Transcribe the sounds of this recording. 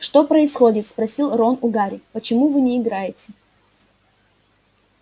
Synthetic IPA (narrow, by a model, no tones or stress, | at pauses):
ʂt̪o̞pɾəɪsxo̞dʲɪt̪spɾɐsʲilˠronʊɡaɾʲɪpət͡ɕɪmuvɨnʲɪːɡɾajɪtʲɪ̥